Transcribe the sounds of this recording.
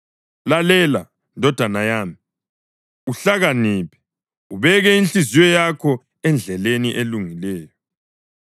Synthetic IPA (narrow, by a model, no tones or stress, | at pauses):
lalɛla | ndʱɔd̥ʱanajaːmi | uɬaɣaniːpʰɛ̥ | uβɛɣɛinɬizijɔjakʰɔ | ɛnd͡ɮʱɛleniʔeluŋilɛːjɔ